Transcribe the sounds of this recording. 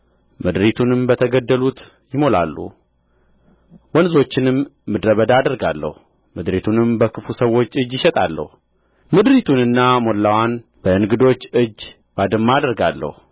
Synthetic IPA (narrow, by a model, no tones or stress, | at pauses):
mɨd̪ɾit̪ʰunɨmbət̪ʰəɡəd̪ːəlut̪ | jɪmo̞la̰lːṵ | wɔnzo̞t͡ʃːɪnɨmːɨd̪ɾəβəd̪aːd̪əɾɡalːə̰hu | mɨd̪ɾit̪ʰunɨmbəkʰɨfusəwo̞t͡ʃːɨd͡ʒːjɪʃɛt̪ʼalːə̰hu | mɨd̪ɾit̪ʰunɨnːamo̞lːawanb̥əɨnɡɨd̪o̞t͡ʃːɨd͡ʒː | b̥ad̪ɨmːaaːd̪əɾɡalːə̰hu